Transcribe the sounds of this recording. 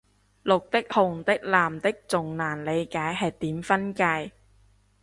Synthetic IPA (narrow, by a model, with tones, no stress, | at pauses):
lʊ˨k̚t̪ɪ˥k̚hʊ˨ŋt̪ɪ˥k̚laː˨mt̪ɪ˥k̚t͡sʊ˨ŋnaː˨˩nle˨˧jkaː˨˥jɦɐ˨˩jt̪iː˨˥mfɐ˥nkaː˧j